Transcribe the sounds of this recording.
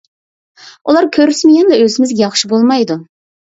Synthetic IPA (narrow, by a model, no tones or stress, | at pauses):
ulˠɑɾkʲʰøɾysmɪjʲɛnlɛøzɪmɪzɡʲɛjɑχʃibolˠmɑjd̪u